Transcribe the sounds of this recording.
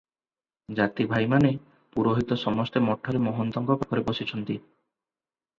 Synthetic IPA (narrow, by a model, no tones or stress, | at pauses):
d͡ʒat̪ibʱajmane | puɾoɦit̪ɔsɔmɔst̪emɔʈʰːɔɾemɔɦɔnt̪ɔŋɡɔpakɔɾebosit͡ʃʰɔnt̪i